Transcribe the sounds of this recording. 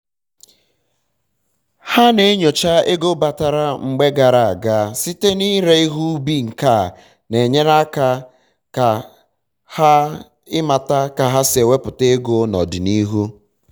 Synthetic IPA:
ha˦ne˨˦ɲo˨t͡ʃa˦e˦ɡo˦ba˨ta˨ɾa˦ŋ͡m̩˨ɡ͡be˦ɡa˨ɾa˨a˨ɡa˦si˦te˦ni˦ɾe˦i˦ɦu˦bi˦ŋ̩˨ka˦˨ | ne˨ɲe˦ɾa˦ka˦ | ka˨ | ha˦ | ɪ˦ma˨ta˦ka˨ɦa˦se˨we˦pʊ˨te˦ɡo˦nɔ̰˨dɪ˨ni˦ɦu˦

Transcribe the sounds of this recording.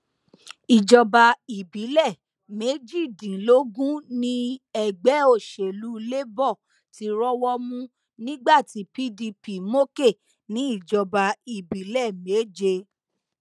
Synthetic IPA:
i˨d͡ʒɔ˨ba˨i˨bi˨˦lɛ˦˨ | me˨˦d͡ʒi˦˨dĩ˨lo˨˦ɡũ˦nĩ˦ɛ˧˨ɡ͡bɛ˨˦o˦˨ʃe˨lu˦le˦bɔ˦˨ | ti˨˦ɾɔ˦wɔ˧mũ˧ | nĩ˦ɡ͡ba˦˨ti˨˦pi˦di˧pi˨mo˦ke˦˨ | nĩ˨˦i˦˨d͡ʒɔ˨ba˨i˨bi˨˦lɛ˦˨me˨˦d͡ʒe˧

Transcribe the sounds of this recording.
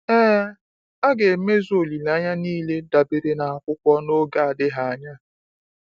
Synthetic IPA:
ɛː˦ | a˦ɡe˨me˦zo˨li˨la˦ɲa˦niː˦le˦da˨be˨ɾe˨na˨a˨kʷʊ˦kʷɔ˦no˦ɡa˨a˨dɪ˦ɦa˨a˨ɲa˦

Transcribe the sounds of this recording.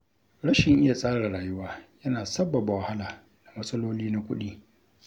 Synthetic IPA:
ɽɐ˦ʃɪ˨ŋʔɪ˦ja˨sʼaː˦ɽaː˨ɽaː˨jʊ˦waː˦jɐ˦naː˨sɐ˦bːɐ˨ba˨wɐ˨ha˦laː˨ | na˨mɐ˦sʼɐ˦loː˦liː˦na˦kʷʊ̰˦ɗiː˦

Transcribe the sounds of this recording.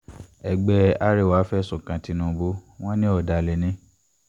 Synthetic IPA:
ɛ˨ɡ͡bɛ˧a˦ɾe˦˨wa˨˦fɛ˦sũ˨kã˨ti˧˦nũ˧bo˦w̃ɔ̃˦nĩ˦ɔ˨da˨le˨nĩ˦

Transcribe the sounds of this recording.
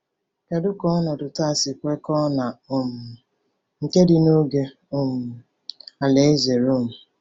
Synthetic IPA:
ke˨dʊ˦kɔ˦nɔ˨dʊ˨ta˦˨si˨kʷe˦kɔ˦na˨o˨mʊ˨ | ŋ̩˨ke˦dɪ˨no˦ɡe˦ | o˦m̩˨ | a˨le˦ze˨ɾo˦˨m̩˨

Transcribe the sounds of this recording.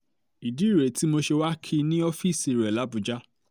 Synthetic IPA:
i˨di˨˦i˦˨ɾe˨˦ti˨˦mo˧ʃe˧wa˦kʰi˧nĩ˦ɔ˦fi˦˨si˨ɾɛ˨la˨˦bũ˧˦d͡ʒa˦

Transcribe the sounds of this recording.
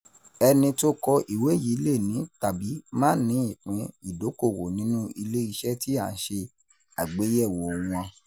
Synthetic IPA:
ɛ˧nĩ˧to˦kɔ˧ʔi˨we˨˦ji˨˦le˦˨nĩ˨˦ta˨bi˨˦mãː˦nĩ˨˦i˦˨k͡pĩ˨˧i˨do˨˦ko˦˨wo˨nĩ˦nũ˦i˧le˦i˧ʃɛ˦ti˦a˨n̩˦ʃe˧ | a˨ɡ͡be˨˦jɛ˦˨wɔ˨wũ˧ã˧

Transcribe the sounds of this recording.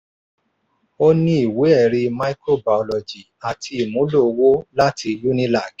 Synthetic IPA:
o˦nĩ˦i˦˨we˨˦ɛ˦˨ɾi˧ma˧i˦ko˦˨ba˨ɔ˨lɔ˨d͡ʒi˨a˨tʰi˧i˨mũ˨˦lo˦˨˧wo˦la˦ti˧lu˦nĩ˦la˦˨k

